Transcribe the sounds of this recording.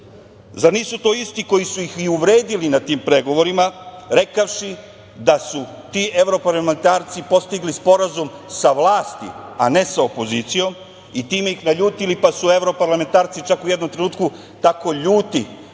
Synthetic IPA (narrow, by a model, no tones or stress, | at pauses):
zaɾniːsut̪o̞ːist̪iko̞jisujixiuʋɾeːd̪ilinat̪iːmpɾe̞ɡo̞ʋo̞ɾimaɾe̞kaʃi | d̪asu | t̪iːʔe̞ʋɾo̞paɾlame̞nt̪aːɾt̪sipo̞st̪iɡlispo̞ɾazumsaʋlˠaːst̪ḭane̞sao̞po̞zit̪sijo̞m | it̪iːme̞ixnaʎuːt̪ilipasue̞ʋɾo̞paɾlˠame̞nt̪aːɾt̪sit͡ʃakujed̪o̞mt̪ɾe̞nuːt̪ku | t̪ako̞ʎuːt̪i